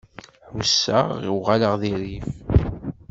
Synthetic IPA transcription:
wsːə̰ʁiwʁaləʁðiɾiv

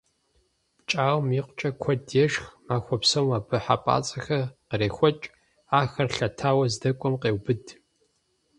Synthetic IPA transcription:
t͡ʃʼaːwmiːqʷʊt͡ʃʼɐkʷʰɔdjɛʂxmaːxʷɔpsɐmaːbɨħa̰pʼa̰ːt͡sʼɐxɐqəɾeːxʷɔt͡ʃʼ | aːxɐrɬɐtʰaːwɐzdɐkʷʼɔmqeːwbɨd

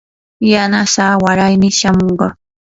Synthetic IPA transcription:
janasaːwaɾajmɪʃamoɴɢɑ

